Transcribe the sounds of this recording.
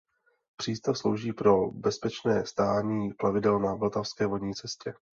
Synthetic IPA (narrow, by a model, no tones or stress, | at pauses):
pr̝̥iːst̪afslo̞wʒiːpɾo̞bɛspɛt͡ʃnɛːst̪aːɲiːplavɪdɛlnavlt̪afskɛːvodɲiːt͡sɛscɛ